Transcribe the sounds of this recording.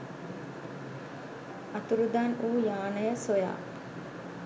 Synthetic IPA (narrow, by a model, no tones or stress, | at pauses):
ɐt̪uɾud̪anuːjaːnəjəsoja̰ː